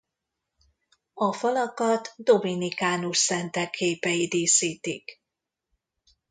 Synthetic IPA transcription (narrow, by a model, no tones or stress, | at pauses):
ɒfɒlɒkɒt̪d̪o̞minikaːnuʃsɛnt̪ɛkʰːeːpɛid̪iːsiːt̪ik